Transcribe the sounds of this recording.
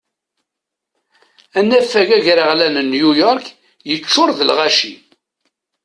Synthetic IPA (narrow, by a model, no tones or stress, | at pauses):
ænːæfːæʝæʝɾəʁlænənjujɔɾk | jət͡ʃːʊɾðəlʁæʃḭ